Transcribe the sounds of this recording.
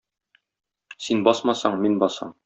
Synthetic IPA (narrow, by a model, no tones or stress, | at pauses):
sinbɒsmɑsɑɴminbɒsɑ̰ɴ